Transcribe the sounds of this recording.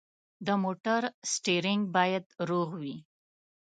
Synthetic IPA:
d̪əmoʈaɾsʈeɾɪŋɡ̚bɑjad̪ɾoɣwi

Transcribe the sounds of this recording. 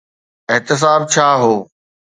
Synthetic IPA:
ɪɦt̪ɪs̬aːb̚t͡ɕʰaːɦoː

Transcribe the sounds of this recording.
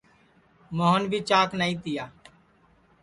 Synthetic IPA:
moːɦənbʱiːt͡ʃãːknəĩːt̪ɪjaː

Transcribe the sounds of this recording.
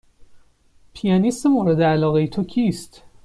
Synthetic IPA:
pʰijɒnisemoɾed̪eælɒːɣejet̪ʰocʰiːst̪

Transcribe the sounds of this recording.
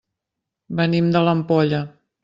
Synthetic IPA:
bənimd̪ələmpɔʎə

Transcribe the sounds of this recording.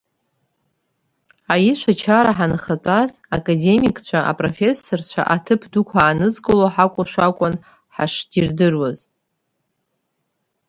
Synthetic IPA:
ajiʃʷat͡ʃʰaɾaħanχat͡pʷʼaz | akʼade̞mikʼt͡ɕʷʰaʔa̰pʼrofe̞sːort͡ɕʷʰa̰ʔatʰɨpʰdukʷʰaːnɨzkʼɨloħakʷʼʊʃʷᶣakʷʼʊn | ħa̰ʂdirdɨrwaz

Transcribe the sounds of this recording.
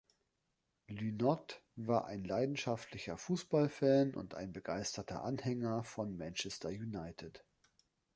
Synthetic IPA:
lynɔtvaːɐʔaɪnlaɪdn̩ʃaftʰlɪçɐfuːsb̥alfɛːnʔʊ̰nta̰ɪnbəɡaɪstɐtʰɐ̰ʔanhɛŋɐfɔnmɛnt͡ʃɛstʰɐjunaɪtʰɪt

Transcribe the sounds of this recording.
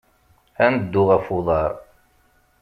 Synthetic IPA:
ænəd̪ːʊʁæfuðˤɑɾˤ

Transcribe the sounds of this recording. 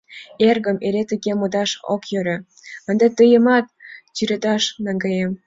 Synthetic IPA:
erɡə̆meɾet̪əɡemod̪ɑʃo̰kjøɾĕ | ə̆nd̪ɑt̪əjəmɑt̪̚t͡ɕyɾed̪ɑʃnɑŋɡɑjem

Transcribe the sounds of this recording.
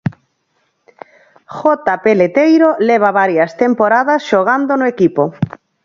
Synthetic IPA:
xɔt̪apelet̪ejɾoleβ̞aβaɾjast̪empoɾaðasʃoɣand̪onoekipo

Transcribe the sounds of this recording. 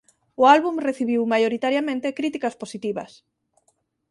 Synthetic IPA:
ʊalβumreθiβ̞iwmajoɾit̪aɾjamẽnt̪ekɾit̪ikasposit̪iβɐ̰s

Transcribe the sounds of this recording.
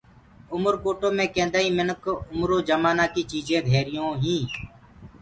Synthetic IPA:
ʊməɾkoːʈõːmẽːkẽːnd̪aːĩːmɪnəkʊmɾõːd͡ʒəmaːnaːkiːt͡ʃiːzẽːd̪ʱeːɾɪjõːɦĩː

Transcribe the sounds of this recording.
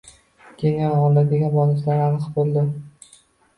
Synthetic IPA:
kʲʰeŋaɒlˠd̪ad̪eɡʲanbɒlɪslaɾanɨqbolˠd̪ɪ

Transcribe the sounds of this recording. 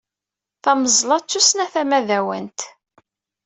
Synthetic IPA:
θæməzˤlɑt͡sːusnæθæmæðæwə̰nt̪

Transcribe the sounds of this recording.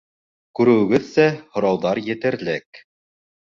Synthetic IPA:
kʉɾɘ̆wɘ̆ɡɘðsæhŏɾɑwðɑɾjɘ̆t̪ɘ̆ɾlɘk

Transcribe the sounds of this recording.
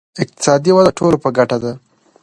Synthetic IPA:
ɪq̚t̪ɪ̥sɑd̪iwad̪aʈʰolopəɡaʈad̪a

